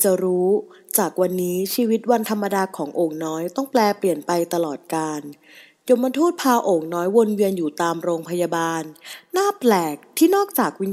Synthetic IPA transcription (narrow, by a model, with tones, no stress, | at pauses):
t͡ɕa˨˩ɾuː˦˥t͡ɕaː˨˩k̚wa˧nːiː˦˥t͡ɕʰiː˧wi˦˥t̪̚wa˧nt̪ʰa˧mːa˧daː˧kʰɔː˩˦ŋʔoː˨˩ŋnɔː˦˥jt̪ɔ˥˩ŋplɛː˧pli˨˩ənpa˧jt̪a˧lɔː˨˩t̪̚kaː˧n | jo˧mːa˧t̪ʰuː˥˩t̪̚pʰaː˧ʔoː˨˩ŋ̚nɔː˦˥jwo˧nwi˧ənjuː˨˩t̪aː˧mɾoː˧ŋpʰa˧ja˧baː˧nːaː˥˩plɛː˨˩k̚t̪ʰiː˥˩nɔː˥˩k̚t͡ɕaː˨˩k̚wi˦˧n